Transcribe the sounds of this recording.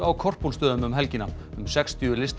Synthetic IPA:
awkʰɔr̥punst̪œːðʏmʏmɦɛlcɪnːa | ʏmsɛkst̪ʰiʏlɪst̪

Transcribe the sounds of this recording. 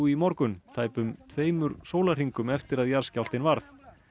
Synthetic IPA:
imɔɾkʏnt̪ʰaːjpʏmt̪ʰveːjmʏɾsoːwlar̥iŋkʏmɛft̪ɪɾaðjaɾ̥scaw̪t̪ɪnvaɾθ

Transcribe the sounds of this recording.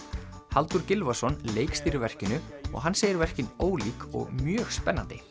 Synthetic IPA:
halt̪uɾcɪlvasɔnleːjkst̪iːɾɪvɛr̥cɪnʏɔ̰ɣɦanseːjɪɾvɛr̥cɪnoːwliːkɔ̰ɣmjœːɣspɛnːa̰nt̪ɪ

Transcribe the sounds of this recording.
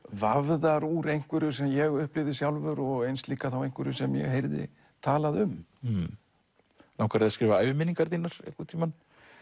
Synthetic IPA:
vavðaɾuːɾejŋ̥kvɛɾʏsɛmjɛɣʏhplɪvðɪsjawlvʏɾɔɣejnsliːkːaθawejŋ̥kvɛɾʏsɛmjɛ̰ɣɦejɾðɪ̰ | t̪ʰaːlaðʏm | nawkʰvaɾɪðaskɾɪːvaajvɪmɪniŋkaɾt̪iːnaɾ̥ɛ̰kʏt̪ʰiːman

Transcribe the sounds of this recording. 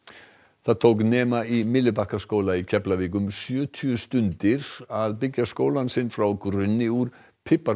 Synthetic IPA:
θaðt̪ʰowknɛːmaimɪlːɪpahkaskoːwlaicʰɛplaviːk̬ʏmsjœːt̪ʰyʏst̪ʏnt̪ɪɾaðpɪcːaskoːwlansɪnfɾawkɾʏnːɪuɾ̥ | pʰɪpːa

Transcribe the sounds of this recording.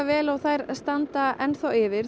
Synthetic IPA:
vɛːlawθajɾst̪ant̪aʔɛnθawɪvɪɾ̥

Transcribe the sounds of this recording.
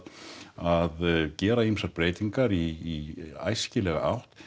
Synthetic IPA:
aðcɛːɾaimsaɾpɾeːjt̪iŋkaɾiː | a̰jscɪlɛɣa̰ʔa̰wht̪

